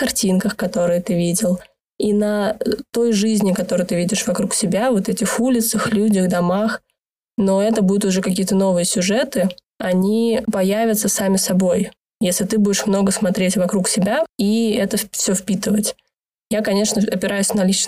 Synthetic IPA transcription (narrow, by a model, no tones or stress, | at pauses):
kɐrtʲinkəxkɐt̪o̞ɾɨjət̪ɨvʲidʲɪlˠ | inɐt̪o̞jʐɨzʲnʲɪkɐt̪o̞ɾɨjt̪ɨvʲidʲɪʂvɐkɾuksʲɪbʲavo̞t̪ɛtʲɪxulʲɪt̪səxlʲudʲəxd̪ɐmax | no̞ɛt̪əbud̪ʊt̪ʊʐɛkɐkʲijət̪əno̞vɨjəsʲʊʐɛt̪ɨ | ɐnʲipɐjavʲɪt̪səsamʲɪsɐbo̞j | jesʲlʲɪt̪ɨbudʲɪʂmno̞ɡəsmɐt̪ɾʲetʲvɐkɾuksʲɪbʲaiɛt̪əfsʲofpʲit̪ɨvətʲ | jakɐnʲe̞ʂnəɐpʲɪɾʔajʊsʲnɐlʲit͡ɕ